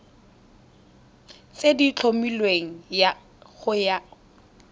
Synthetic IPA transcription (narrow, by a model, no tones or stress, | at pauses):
t͡sedit͡ɬʰomilweŋ̩ja | χʊja